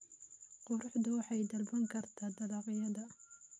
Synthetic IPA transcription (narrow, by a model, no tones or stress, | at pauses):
qʊɾʊħd̪ʊwɑħɑjd̪ɐlbɐŋkʰɐrt̪ʰaːd̪ɐlɑːqɪjɐðɐ